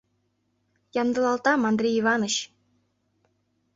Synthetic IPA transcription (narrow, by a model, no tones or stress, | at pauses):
jɑnd̪ɤ̆lˠɑlˠt̪ɑmɑnd̪rʲeivɑnɤ̆ɕ